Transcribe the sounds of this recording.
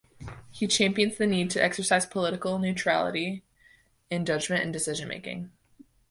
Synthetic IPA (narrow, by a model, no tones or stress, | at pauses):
hit͡ʃʰæ̃mpiɨ̃nzðɨnid̚tʰɨʔɛksə˞saɪz̥pʰəlɪɾɨkl̩ˠnʉtʰɹ̥æ̰lˠə̰ɾi | ɨ̃nd͡ʒʌd͡ʒmɨ̃ntɨ̰̃n̩dɨsɪʒɨ̃nmḛɪkɪ̰̃ŋ